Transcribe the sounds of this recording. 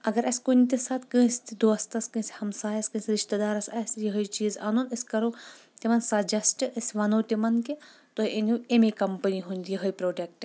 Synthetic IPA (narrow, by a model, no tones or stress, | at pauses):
ɐɡɐɾɐsʲkunʲt̪isaːt̪kɨ̃ːst̪id̪oɐst̪ɐskɨ̃ːshɐmsaːjɐskɨ̃ːsɾiʃt̪ɐd̪aːɾɐsʲɐsjɐɦəjt͡ʃiːzaːnunɐsʲkɐɾoː | t̪imɐnsɐd͡ʒɐsʈɨʔɐsʲʋɐnoːt̪ʲimɐnket̪oiʔenuemekɐmpɐniɦunʲd̪ʲijɐɦəjpɾoːʈek̚ʈ